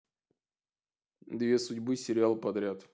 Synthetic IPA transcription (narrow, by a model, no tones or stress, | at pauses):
d̪vʲe̞sʊdʲbɨsʲɪɾʲɪalˠpɐd̪ɾʲat̪